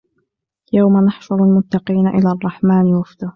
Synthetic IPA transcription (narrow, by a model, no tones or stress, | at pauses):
jawmanɑħfʊɾˤalmʊt̪ːɑqiːnaʔɪ̰laːʔɑrˤːɑħmaːnwafd̪ʊh